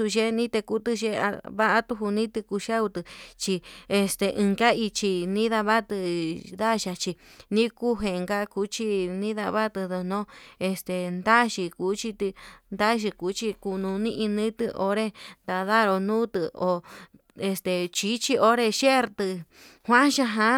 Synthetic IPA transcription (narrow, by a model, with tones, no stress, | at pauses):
u˧ʒe˦nĩ˦t̪e˧ku˧t̪ɨ˧ʒe˧a̰˧βa˦ʔa˦t̪u˧ɦu˧nĩ˦t̪ɨ˧ku˧ʃa˦u˧t̪ɨ˧t͡ʃi˧e˧st̪e˧ʔɨ̃˧ka˦i˧t͡ʃi˧nĩ˦ða˧βa˦t̪ɨ˧d̪a˦˧ʃa˧t͡ʃi˧nĩ˦ku˦ɦe˧ŋɡa˦ku˧˦t͡ʃi˦nĩ˦ða̰˧βa˦t̪ɨ˧ðo˧nõ˦e˧st̪e˨nd̪a˦ʃi˧ku˨˦t͡ʃi˧t̪ɨ˧nd̪a˦ʃi˧ku˨˦t͡ʃi˧ku˧nũ˧nĩ˦ʔĩ˧nĩ˦t̪ɨ˧ʔo˧ɾe˦nd̪a˧ða˦˧ɾo˧nũː˦t̪ɨ˧o˨ | e˧st̪e˨t͡ʃi˦t͡ʃi˦ʔo˦ɾe˧ʃe˦˧ɾt̪ɨ˧ | hʷã˦ʃa˧ɦã˧